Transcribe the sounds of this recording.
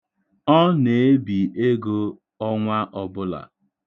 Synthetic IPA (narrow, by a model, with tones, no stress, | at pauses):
ɔ˦ne˨e˦bi˨e˦ɡo˦ | ɔ˦ŋʷa˦ʔɔ˨bʊ˦la̰˨